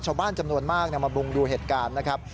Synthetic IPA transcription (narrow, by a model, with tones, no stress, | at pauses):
t͡ɕʰaː˧˩wbaː˥˩nt͡ɕa˧mnu˧ənmaː˥˩k̚ni˥˩ɐma˧bu˧ŋduː˧ɦeː˨˩t̪̚kaː˧nːa˦˥kʰɾa˦˥p̚